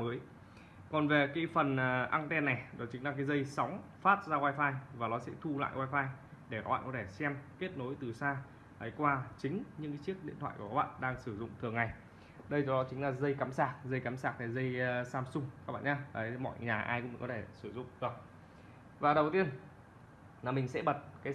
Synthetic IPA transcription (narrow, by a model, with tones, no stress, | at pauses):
məː˨˦j | kɔ˨˩nve˨˩ka˨˦jfə˨˩nʔːʔa˧ŋt̪ɛ˧nːa˨˩jɗɔ˨˦t͡ɕï˨˦ŋ̟laː˨˩kaː˨˦jzə˧jsɔ˨˦wŋ͡mfaː˦˥t̚zaː˧kwaː˧jfaː˧jvaː˨˩nɔ˨˦sɛ̰˧˥t̪ʰu˧la̰ː˧˨jkwaː˧jfaː˧j | ɗe˧˩ka˦˥ɓa̰ː˧˨˩kɔ˨˦t̪ʰe˧˩sɛ˧mke˦˥ət̚no˨˦jt̪ɨ˨˩saː˧ | laː˨˦jkwaː˧t͡ɕï˨˦ŋ̟ɲɨ̰˧˥ŋkaː˨˦t͡ɕi˦˥ək̚ɗḭ˧˨t̪ʰwa̰ː˧˨ju˧˩˨a˦˥ɓa̰ː˧˨nɗaː˧ŋsɨ˧˩zʊ̰˧˨ŋ͡mt̪ʰɨ˨˩əŋːa˨˩j | ɗə˧jt͡ɕɔ˧wɗɔ˨˦t͡ɕï˨˦ŋ̟laː˨˩zə˧jkaː˨˦msaː˦˩k̚zə˧jkaː˨˦msaː˦˥k̚t̪ʰa˨˩zə˧jsaː˧msʊ˧ŋ͡ma˦˥ɓa̰ː˧˨˩ɲaː˧vaː˨˩˦mɔ̰˧˨jɲaː˨˩ʔa̰ː˧jkʊ̰˧˥ŋ͡mkɔ˨˦t̪ʰe˧˩sɨ˧˩zʊ̰˧˨ŋ͡mt̪ɨ˨˩ək̚ | vaː˨˩ɗə˨˩wt̪i˧ən | laː˨˩mi˨˩ŋ̟sɛ̰˧˥ɓə˨˩t̚kaː˨˦